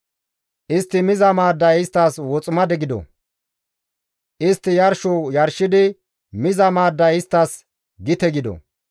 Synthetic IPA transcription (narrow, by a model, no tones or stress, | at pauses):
ʔɪst̪ːɪmɪzɐmaːd̪ːɐjɪst̪ːɐswɔt͡sʼʊmɐd̪ɛɡɪd̪ɔ̰ | ʔɪst̪ːɪjɐɾʃujɐɾʃɪd̪ɪ | mɪzɐmaːd̪ːɐjɪst̪ːɐs | ɡɪt̪ɛɡɪd̪ɔ̰